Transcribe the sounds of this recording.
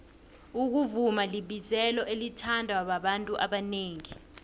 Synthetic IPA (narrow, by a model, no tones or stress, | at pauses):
uk̬uvumaliɓizɛlɔʔelitʰandʱaaɓaɓantʼuʔaɓaneːŋi